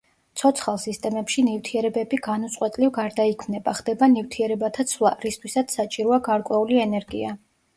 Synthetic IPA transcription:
t̪sʰɔt̪sʰχalˠsist̪ʼɛmɛpʃinivt̪ʰiɛɾɛbɛbiɡanut̪sʼwɛt̪ʼlivɡaɾd̪aikʰmnɛbaχd̪ɛbanivt̪ʰiɛɾɛbat̪ʰat̪sʰvlˠa̰ɾist̪ʰwisat̪sʰsat͡ʃʼiɾɔaɡaɾkʼwɛuliɛnɛɾɡḭa

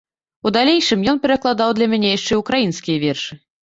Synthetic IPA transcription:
ud̪alʲejʂɨmjɔnpʲɛɾɐklˠad̪awd̪lʲɐmʲanʲɛjaʂt͡ʂɛjukɾajinskʲijɐvʲɛrʂɨ

